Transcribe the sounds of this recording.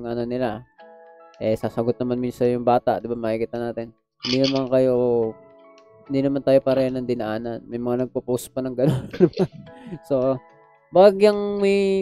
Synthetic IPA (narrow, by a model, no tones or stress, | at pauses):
ŋʔɐnonɪla | ʔɛsaːsɐɡot̪̚nɐmanminsɐjʊŋbaːt̪a̰ʔd̪ɪbamaːhikiːt̪ɐnaːt̪ɪn | hɪnd̪inɐmaŋkɐjo̞ | hɪnd̪inɐmant̪aːjo̞paːɾɐjanːɐŋd̪ɪnɐʔaːnɐnmɐjmɐŋanɐɡ̚pɐpospɐnɐŋɡɐnonːɐmanso̞ | baːɡjɐŋmɐj